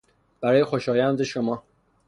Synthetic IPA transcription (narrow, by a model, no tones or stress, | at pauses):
b̥æɾɒːje̞xo̞ʃɒːjænd̪e̞ʃomɒː